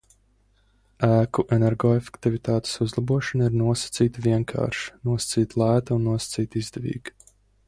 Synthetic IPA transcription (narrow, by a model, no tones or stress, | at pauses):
æːkuʔɛnɛɾɡɔːefe̥kt̪ivit̪aːt̪e̥suzlˠabuɔʃɔnaiɾnuɔsɐ̥t̪siːt̪vʲiɛŋkʰa̰ːɾʃnuɔsḁt̪siːt̪lˠæːt̪aunːuɔsɐ̥t̪siːt̪izd̪ɛvḭːɡ